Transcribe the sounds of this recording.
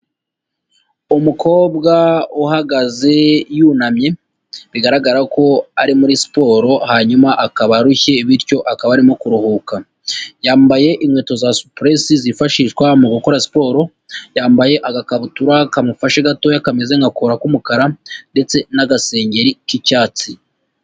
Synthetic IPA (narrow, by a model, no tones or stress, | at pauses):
umukʰo̞ːbɡauhaɡaze̞juːnamɲe̞ | βiɡaɾaɡaɾako̞aɾimuɾisi̥po̞ɾo̞haɲumaʔakaβaɾuçe̞iβiɾco̞ʔakaβaɾimokuɾuhuka | jaːmbaje̞ʔiŋwe̞ːto̞zasu̥pɾesizifaʃiːʃɡwamuɡuko̞ɾasi̥po̞ːɾo̞ | jaːmbaje̞ʔaɡakaβutuɾakamufaʃeɡato̞jakamezeŋɡakoɾakumukaɾande̞t͡se̞naɡase̞ːɲɟe̞ɾikicaːt͡si